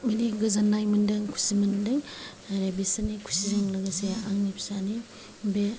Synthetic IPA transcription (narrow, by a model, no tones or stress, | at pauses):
mɐniɡɐzanːajmɯndɯŋkʰu̥simɐndɯŋ | ɾebisanikʰu̥sizɯŋlɐɡaseaŋnipʰsani | be